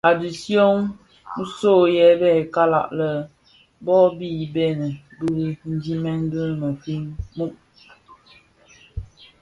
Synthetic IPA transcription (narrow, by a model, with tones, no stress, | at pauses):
a˨di˨sjo˦n̩˦ | so˦˨jɛ˦bɛ˦˨ka˦la̰˨ʔlə˨ | bɔ˦bi˦˨be˦˨nə˨bi˦i˦n̩˦d͡ʒi˦mɛ˦ŋ˦ɡɨ˦mə˨fi˦ŋmu˦ʔ